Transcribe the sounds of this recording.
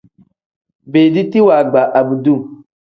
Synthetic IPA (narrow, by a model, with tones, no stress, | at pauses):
beː˨di˦ti˦wa˨ɡ͡ba˨ʔa˨bu˨du˦˨